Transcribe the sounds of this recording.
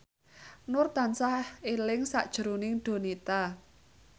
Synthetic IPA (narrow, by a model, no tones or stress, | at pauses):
nʊrt̪ansahelɪŋsa̰ʔd̥ʒ̥ə̤ɾunɪŋɖ̪̥o̤nit̪a